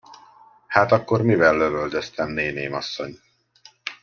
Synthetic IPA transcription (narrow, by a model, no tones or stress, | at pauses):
haːt̪ɒkːo̞rmivɛlːøvøld̪øst̪ɛmneːneːmɒ̰sːo̞̰ɲ